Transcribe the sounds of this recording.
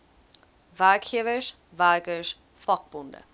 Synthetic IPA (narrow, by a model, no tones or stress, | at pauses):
vakʰivəʃ | vaɡəʃ | fɔk̚b̥ʊndə̰